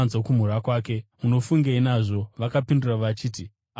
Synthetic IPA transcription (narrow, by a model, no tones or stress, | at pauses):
nzokum̤uɾakwaːke̞muno̞fuŋɡeinaʐo̞ʋakapinduraʋat͡ʃiːti